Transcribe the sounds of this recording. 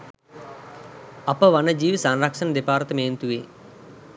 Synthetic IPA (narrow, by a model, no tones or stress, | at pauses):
ɐpɐʋɐnɐd͡ʒiːʋisaːnɾakʂɐnɐd̪epaːɾt̪ɐmeːnt̪uʋeː